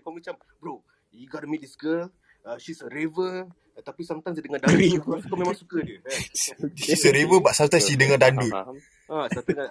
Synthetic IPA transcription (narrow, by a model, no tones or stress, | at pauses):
kmit͡ʃam | bɾo | juɡɔɾəmit̚iskəl | əʃisəɾivə | t̪apisamt̪ansidəŋandaiusu̥kamẽmãŋsukədə | ʃisəɾivəbaʔsat̪ansidəŋãdandu | asat̪ua